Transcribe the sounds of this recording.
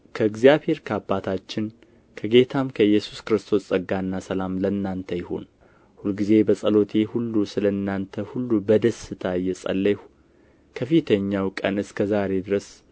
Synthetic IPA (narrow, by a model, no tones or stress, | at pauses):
kʰəɨɡzjaβhe̞ɾkʰəabːat̪ʰat͡ʃːɪn | kʰəɡe̞t̪ʰamkʰəjːɛsu̥skɨɾɨst̪ʰo̞ssʼəɡːanːasəlamlənːant̪ʰəjɪho̞̰n | hulɡize̞bəsʼəlo̞t̪ʰe̞hulːusɨləɨnːant̪ʰəhulːubəd̪əsɨt̪ʰajːɛsʼə̰lːəh | kʰəfit̪ʰəɲːawkʼə̰nɨskʰəzaɾe̞d̪ɨɾəs